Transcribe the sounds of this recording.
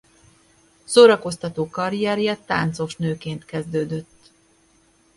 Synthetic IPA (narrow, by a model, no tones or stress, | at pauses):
soːɾɒko̞st̪ɒt̪oːkɒɾijɛɾjɛt̪aːnt̪so̞ʃnøːkeːnt̪kɛzd̪øːd̪øt̪ː